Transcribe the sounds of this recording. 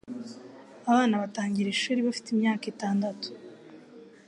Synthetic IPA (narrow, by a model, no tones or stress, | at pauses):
aβaːnaβataːɲɟiɾeʃuɾiβafi̥timɲaːkitaːndatu̥